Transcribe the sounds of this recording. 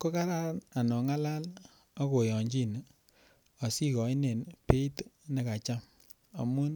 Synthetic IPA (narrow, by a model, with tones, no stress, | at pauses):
ko˦ka˦ɾa˦ɾna˨nɔ˨ŋa˦la˦l | a˦ko˨jɔ˨ɲd͡ʒi˦n˨ | ɔ˨si˦kɔ˨˦i˦ne˨npe˦i˦tne˦ka˨t͡ʃa˦m | a̰˨mu˦n